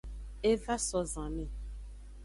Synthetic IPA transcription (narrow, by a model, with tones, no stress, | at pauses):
e˦va˦sɔ˨zã˨mẽ˦˨